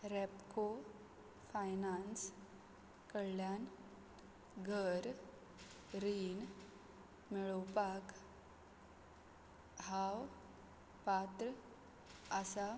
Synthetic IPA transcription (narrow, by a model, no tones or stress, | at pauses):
ɾɛpko | fajnans | kəɭljan | ɡʱəɾ | ɾin | mɛɭəwpak | haw | pat̪ɾə | əsa